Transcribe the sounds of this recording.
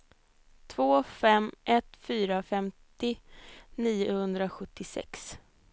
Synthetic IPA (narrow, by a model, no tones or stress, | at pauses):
t̪ʰv̥oːfɛmʔɛt̪fyːɾafɛmt̪ɪniːʊhɵnd̪ɾaɧɵt̪ːɪsɛ̰ks